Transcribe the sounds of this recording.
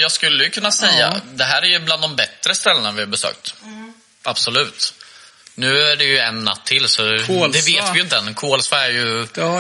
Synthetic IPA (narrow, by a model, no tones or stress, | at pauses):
jɑːɡskɵlːəjɵkʰɵnːasɛjːa̰d̪ɛɦæːɾæɾjɵbland̪ɔmbɛt̪ːɾəst̪ɛlːənavɪhɑɾbɛsø̰ːk̚t̪ | ʔab̥sɔlʉ̟ːt̪ | nʉ̟ːæɖɛjɵɛnːa̰t̪ʰːɪlsɔd̪ɛveːt̪vɪjɵɪnt̪əɛnkʰoːlsvaæɾjɵ